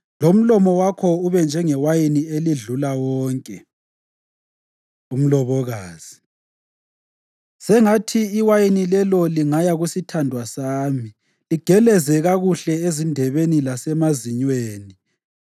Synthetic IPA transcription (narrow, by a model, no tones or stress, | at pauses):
lom̩lɔmɔwakʰɔuβɛnd͡ʒʱɛŋɛwajinieliɮulawɔːŋkʼɛ | um̩lɔβɔɣaːz̥i | sɛŋatʰiːwajinilɛlɔliŋajaɣusitʰandʱwasaːmi | liɡ̥ʱɛlɛzɛɣaɣuɬɛezindʱɛβenilasɛmaziɲweːni